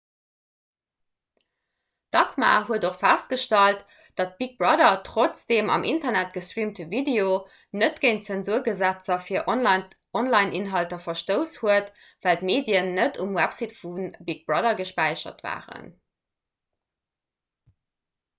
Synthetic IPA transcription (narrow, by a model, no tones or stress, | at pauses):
d̥ɑkma̰ɦuədoχfæst̚ɡ̥əʃtɑlt | d̥ɑt̚b̥ik̚bʁɑdɐtʁot͡sdeːmɑ̰mʔintɐnæt̚ɡ̥əstɹiːmtəvideo | nətɡ̥eɪnt͡sænzuɐɡəzæt͡sɐfiːɐʔ | ɔnlɑɪnʔinɦɑltɐfɐʃtəʊshuət | væltmeːdjənːətumwæpsitfunbik̚b̥ʁɑdɐɡəʃpæɪʃɐ̰tva̰ːʁə̰n